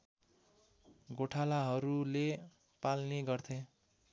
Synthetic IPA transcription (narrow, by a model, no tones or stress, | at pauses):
ɡoʈʰalaɦʌɾule | palneɡʌrt̪ʰẽ